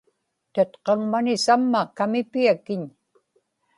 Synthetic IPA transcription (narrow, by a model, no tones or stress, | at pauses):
t̪at̪qɑŋmanɪsamːakamɪpiakɪɲ